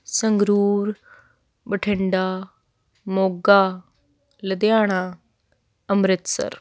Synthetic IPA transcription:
səŋɡɾuːɾ | bəʈʰɪɳɖaː | moːɡaː | ləd̪jaːɽ̃aː | əmɾɪt̪sə̰ɾ

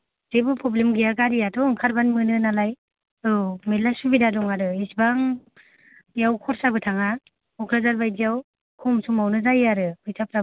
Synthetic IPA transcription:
zebɯpʰɾɔblemɡijaɡaɾijatɔŋkʰaɾbanmɯnɯnalaj | ɯmelːasubidadɔŋaɾɯisbaŋ | jawkʰɔɾsabɯtʰaŋa | ɔkʰɾazaɾbajzijaw | kʰɔmsumawnɯzajaɾɯbɯjsʰap̚ɾa

